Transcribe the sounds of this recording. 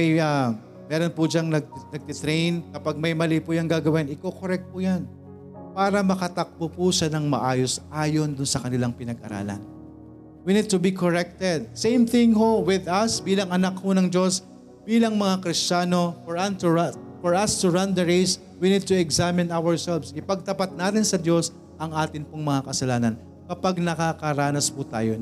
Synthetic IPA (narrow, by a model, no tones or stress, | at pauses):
ɐjɐ | mɛːɾonpʊd͡ʒaŋnɐɡ̪̚nɐɡ̚t̪ɪt̪ɾejnkɐpaɡ̚mɐjmɐlipujɐŋɡaːɡɐwɪnɪkokoɾɛk̚t̪̚pʊjan | paːɾɐmɐkɐt̪ɐk̚bopuʃɐnɐŋmɐʔaːjosʔaːjond̪ʊnsɐkɐnɪlaŋpɪnɐɡʔɐ̰ɾa̰ːlɐ̰n | winid̪̚t̪ʊbikoɹɛk̚t̪ɛd̪̚sẽjmθɪ̃ŋɦowɪðɐsbiːlɐŋɐnakhonɐŋd͡ʒo̞s | b̥iːlɐŋmɐŋakɾɪst͡ʃaːno̞foɹɐnt̪ | fɔɹʔɐst̪ʊɹɐnd̪ɛɹejs | winid̪̚t̪ʊɛɡzamɪ̃nawəɹsɛlvsɪpɐɡ̚t̪ɐpat̪̚naːt̪ɪnsɐd̪jo̞s | ʔɐŋʔaːt̪ɪnpoŋmɐŋakɐsɐlaːnɐn | kɐpaɡ̚nɐkakɐɾaːnɐspʊt̪a̰ːjo